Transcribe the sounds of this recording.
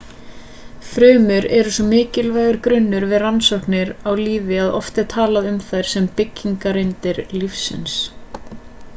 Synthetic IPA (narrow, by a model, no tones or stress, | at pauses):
fɾœːmʏɾɛɾʏsɔmɪːcɪlvajɣʏɾkɾʏnːʏɾvɪðransɔhknɪɾawliːvɪaðɔft̪ɛɾ̥t̪ʰaːlaðʏmθajɾ̥sɛmpɪcːiŋkaɾejnt̪ɪɾlifsːɪ̰ns